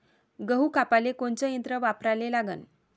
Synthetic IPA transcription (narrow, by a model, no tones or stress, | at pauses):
ɡəɦukapalekont͡səənt̪ɾəʋapɾalelaɡə̰n